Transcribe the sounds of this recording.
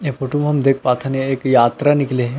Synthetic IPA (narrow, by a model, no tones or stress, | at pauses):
jefoːʈumɦɐmd̪eːk̚ʰpaːt̪ʰaneeːkjaːt̪ɾanɪkleɦɛ̃